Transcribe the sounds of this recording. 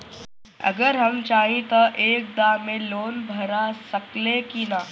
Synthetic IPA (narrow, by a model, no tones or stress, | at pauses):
ɐ̰ɡəɾɦɐmt͡ʃaːɦĩt̪aʔeːk̚d̪aːmẽloːnbʱɐɾasɐklekina